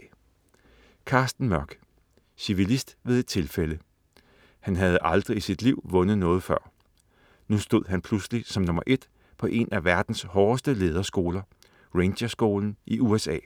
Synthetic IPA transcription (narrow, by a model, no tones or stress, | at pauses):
kʰɑ̈ːsd̥n̩mɶɐɡ̥ | siʋilisd̥ʋe̝ðˠe̝d̥̚t͡sʰe̝lfelə | hænɦæð̞̩ˠʔɑ̈ld̥ʁiisid̥liʊ̰ʋɔ̽nəð̩ˠnɔ̽ːð̩ˠfɶɐ̰ | nusd̥o̝ð̰ˠɦænpʰluslisɒ̽mnɔ̽mɐʔe̝d̥ | pʰɒ̽ʔe̝næʋæɐd̥n̩shɒːsd̥əle̝ːð̞ˠɐsɡ̥o̝ːlɐ | ʁenɕɐsɡ̥o̝ːln̩ʔiuesɛ̰ː